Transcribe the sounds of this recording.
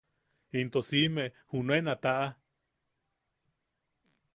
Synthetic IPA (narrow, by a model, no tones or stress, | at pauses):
int̪osimeʔhunoenat̪aʔa